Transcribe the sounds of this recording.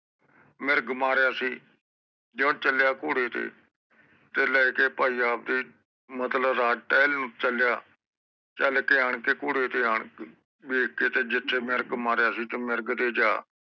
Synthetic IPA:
mɪɾɡmaːɾejaːsiː | d͡ʒẽt͡ʃəljaːkʊːɽeːt̪ḛː | t̪eːlɛːkeːpaːiːaːp̚d̪iː | mət̪ləbɾaːʈɛːlnũːt͡ʃəljaː | t͡ʃəlkeːaːɳkeːkʊːɽeːt̪eːaːɳ | beːkkeːt̪eːd͡ʒɪt̪ʰːeːmɪɾɡmaːɾjaːsiːt̪emɪɾɡt̪eːd͡ʒaː

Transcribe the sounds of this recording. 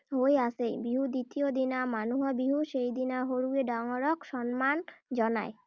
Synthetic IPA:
ɦojasejbiɦud̪it̪iod̪inamanuɦɔbiɦuʃejd̪inaɦoɾueɖaŋoɾokʃɔnmand͡ʑɔna̰e

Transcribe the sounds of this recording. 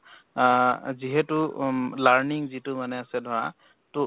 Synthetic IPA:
ziɦɛtʊlaɹniŋzitʊmanɛasɛdʱɔɹa̰ | tʊ

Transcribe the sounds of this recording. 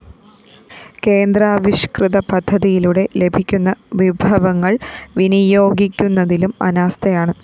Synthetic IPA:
ke̞ːnd̪raːʋiɕkrɨðɐpɐd̪ʱːɐðijiluɽe̞le̞bʱikʲːunːɐʋibʱɐʋɐŋːɐɭʋinijo̞ːɡikʲːunːɐðilumɐ̰naːst̪ɐjaːɳɨ

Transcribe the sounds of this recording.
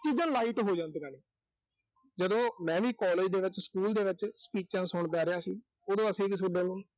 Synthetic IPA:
t͡ʃiːd͡ʒãːlaːiːʈɦoːd͡ʒãːnd̪ɡaːneː | d͡ʒəd̪õːmɛ̃ːʋiːkɔːleːd͡ʒd̪eːʋɪt͡ʃskuːld̪eːʋɪt͡ʃspiːt͡ʃãːsʊɳd̪aːɾɪjaːsiː | oːd̪õːəsẽːkɪsʊɖãːnũː

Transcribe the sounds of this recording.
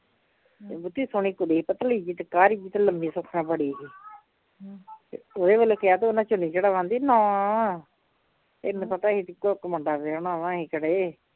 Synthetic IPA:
ebʊt̪ːiːsoɳiːkʊd̪iːiːpət̪əliːd͡ʒiːt̪ekaːɾiːd͡ʒiːt̪eləmbiːsʊkʰːnãːbəɽiːɦiː | t̪ḛoːd̪eːʋəloːkɪaːt̪eoːnãːt͡ʃʊniːd͡ʒeɽaːʋãːnd̪iːnɔ̃ː | eːñːpət̪aːɦiːt̪ikokməɳɖaːpeoːnaːʋãːɦiːkəɽeː

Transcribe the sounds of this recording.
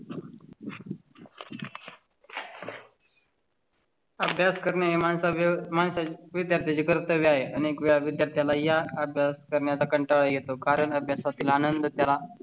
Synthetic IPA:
əbʱjaskəɾɳjaemansamaɳsaʋid̪jaɾt̪ʰjat͡ɕikəɾt̪əʋiaɦeʔəniekʋeɭaʋid̪jaɾt̪ʰjalajaəbʱjaskəɾɳjat͡sakəɳʈaɭəjet̪okaɾəɳəbʱjasat̪iːlanənd̪ʱət̪jala

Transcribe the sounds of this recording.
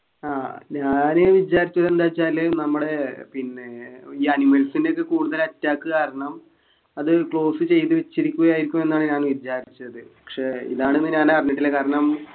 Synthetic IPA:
aːɲaːnɨʋid͡ʑaːɾit͡ɕːɐðe̞nd̪aːjit͡ɕːaːlːenɐmːuɽe̞pinːeiːɐnimɐlsinde̞ok̬ːe̞kuːɽuðɐlɐtːaːkːɨkaːɾɐɳɐm | ɐðɨkɭo̞ːsɨt͡ɕe̞jt̪ɨʋet͡ɕːiɾikʲːuɣɐjaːjiɾikʲːume̞nːaːɳɨɲaːnʋid͡ʑaːɾit͡ɕːɐðɨpɐɐ̥kʂe̞ḭðaːɳɨenːɨɲaːnarɐɲːɐʈːilːekaːɾɐɳɐm

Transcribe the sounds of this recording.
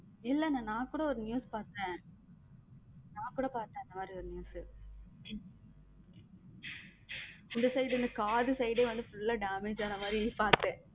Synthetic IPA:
ɪlːɛnãːnãːkuːɽɐɔɾɯnɪjuːspaːɾt̪ẽː | naːkuːɽɐpaːɾt̪ẽːɪnd̪ɐmaːd̪ɾiɔɾɯnjuːsɯ | ʊɳɖɯsɐjɖɯɾɯnd̪ɯkaːðɯsɛjɽeʋɐɳɖ̪ɯfʊlːaːɖaːmeːd͡ʒaːnɐmaːd̪ɾipaːɾt̪ːẽː

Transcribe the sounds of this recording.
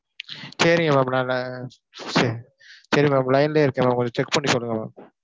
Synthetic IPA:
sɐɾɪŋɡɐmaːmnaːl | s | sɐɾiŋmamlɐɪnleːɪɾɯkːẽmaːkɔɲd͡ʒɔt͡ʃɛkːpɐɳːisɔlːɯŋɡɐma̰ːm

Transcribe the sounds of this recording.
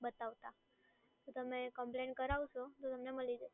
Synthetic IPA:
bət̪aʋt̪a | t̪ot̪əmekəmpleɳʈ̚kəɾaʋʃot̪ot̪əmneməlid͡ʒe

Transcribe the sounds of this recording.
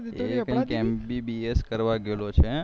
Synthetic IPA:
ekĩkɛmbibieskəɾʋaɡelot͡ʃʰe

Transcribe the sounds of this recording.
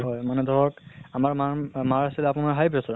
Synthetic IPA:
ɦɔjmanɛd̪ʱɔɹɔkamaɹmamaɹasilɛapʊnaɹɦajpɹɔsɔ

